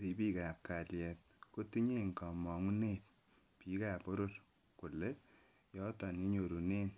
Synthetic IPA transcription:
pi˨pi˦ka˨p̚ka˨ljɛ˨t̚ko˦tu˦ɲe˦ŋka˨mɔ˨ŋu˦ne˦˨t̚ | pi˨ka˨po˦ɾo˦r | ku˨le˦ | jɔ˦tɔ˨ni˦ɲo˨ɾu˨ne˦n

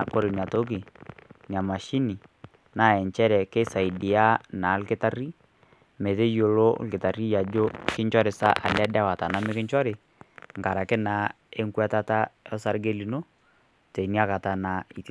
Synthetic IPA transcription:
ko˦ɾɪ˨n˨a˨to˦k̬i˨n˨a˨ma˨ʃi˦ni˨ | na˦˨ɛ˨ɲt͡ʃɛ˦ɾɛ˨ke˦sa˨i˨di˨a˦na˨˦lkɪ˦ta˦ri˦ | me˨te˦jo˨lo˦lkɪ˨ta˨ri˦ja˨d͡ʒo˦kɪ˦ɲt͡ʃɔ˦ɾɪ˨sa̰˦ʔa̰˨lɛ˦dɛ˦wa˨ta˨na˦mɪ˦kɪ˦ɲt͡ʃɔ˦ɾɪ˨ | ŋka˨ɾa˨kɪ˦na˨˦ | e˦ŋkwɛ˦ta˦ta˦ɔ˦sa˦ɾɡe˦li˨no˦ | te˨ni˦a˦ka˨ta˨na˨i˨t

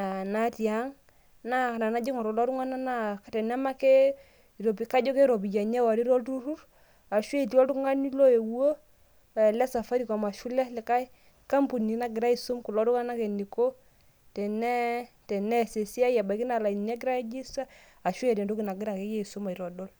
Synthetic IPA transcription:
a˨na˦ti˨a˨˦ŋ | na˦˨na˨na˦d͡ʒi˦ŋɔ˨ɾɔ˨lɔ˦ɾu˦ŋa˦na˦na˦ktɛ˨nɛ˦ma˦ke˦ | i˨ɾo˨bi˨ka˦d͡ʒɔ˦ke˦ɾɔ˨bi˨ja˨ɲɛ˦wa˨ɾi˦ɾɔ˦tu˦ɾu˦r | a˨ʃwe˦˨ti˦ɔ˦tu˦ŋa˦ni˦lo˦e˨wo˦˨ | lɛ˦sa˨fa˦ɾi˨ka˨ma˨ʃu˦lɛ˦lɪ˨ka˦i˦ | ka˦mpu˨ni˨na˦ɡɪ˨ɾa˦i˨su˦mku˨lɔ˦tu˦ka˦na˦ke˨ni˨ko˦ | tɛ˨nɛ˦ | tɛ˨nɛ˦˨se˨si˦a˦ja˨ba˨ki˦na˨la˨i˨nɛ˦ɡɪ˦ɾa˦d͡ʒi˦sa˦ | a˨ʃwe˦je˨te˨ndo˦ki˨na˨ɡɪ˦ɾa˨ke˨˦jɛ˦i˨su˦ma˨i˨ɾɔ˨dɔ˦l

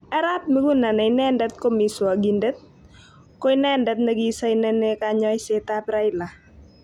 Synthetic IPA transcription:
ɛ˦ɾa˦t̚me˦ɡu˦na˨na˨ɪnɛ˦ndɛ˦t̪ko˦mi˨swa˨ɡi˨nde˦t̪̚ | ko˦ɪ˦nɛ˦ndɛ˦t̪̚ne˦ɡi˦sa˦ɪnɛ˦ne˦kaɲɔ˦ɪ˦sɛ˦t̪apɾa˦ɪ˦la˨

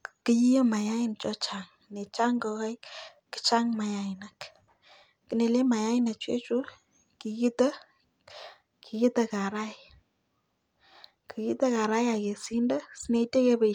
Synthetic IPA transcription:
kɨ˦ji˦jə˦ma˨ja˦ɪ˦nt͡ʃɔ˦t͡ʃa˨ŋ | ne˨t͡ʃa˦ŋɡɔ˨kɔ˦j | ki̥˦t͡ʃa˦ŋma˨ja˨ɪna˨k | kːɨ˨ne˨le˦ma˨ja˦ɪ˦na˨t͡ʃwḛ˦t͡ʃu˦ | ki˨ki˦tə˦ | ki˨ki˦tɐ˨ka˨ɾa˦ɪ | ki˨ki˦tɐ˦ka˨ɾa˦ja˨ke˨si˦ndə˦si˦ne˦ite˦ke˦pe˨

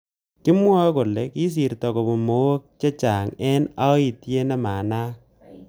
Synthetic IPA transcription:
kɪ˦mwa˦ko˨le˨ki˦s̬i˨rtɔ˨ko˨bo˨mo˨˦wo˦k̚t͡ʃe˦t͡ʃa˨ŋɛ˦na˦i˨tje˦nɛ˦maː˨naː˦

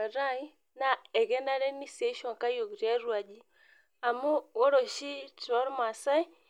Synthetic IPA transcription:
a˨ɾa˦i˦ | na˨ɛ˨ɣɛ˦nda˦ɾɛ˦ni˦sɛ˨˦ʃɔ˨ŋka˦jo˨ɣu˨ɾi˦a˦ɾwa˨d͡ʒi˦ | a˨mu˦ɣɔ˦ɾɔ˨ʃi˦tɔ˦ɾma˨sa˦i˦

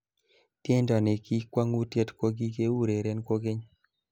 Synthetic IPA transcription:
tje˦ndɔ˨ne˨ki˦kwa˦ŋu˦tjɛ˦tkwo˦ɡi˦ke˦u˦ɾe˨ɾɛ˦nko˦ɡɪ˦ɲ

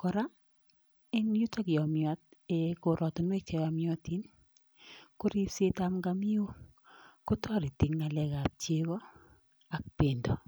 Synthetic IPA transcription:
kɔ˨ɾa˦ | ɪ˦nju˦ta˦kɪ˨ɔ˨mjɔ˨˦t̚eko˨ɾʔɔ˨tɔ˨nwe˦k̚t͡ʃɛ˨ja˨mjɔ˦ti˦n | ko˦ɾi˦se˦ta˦mɡa˦mi˦o˦ | ko˦tɔ˦ɾi˨ti˨ŋːa˨lɛ˨ɡa˨p̚t͡ʃe˦ɣɔ˦ | a˨k̚pe˨ndo˨

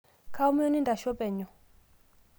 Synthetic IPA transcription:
kʰa˦ɔ˦m˦jɔ˦ni˦nda˨ʃɔ˦pɛ˨ɲɔ˨

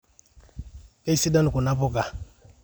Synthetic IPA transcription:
ka˦i˦si˦da˦nu˨ku˨na˦po˦˨ka˨

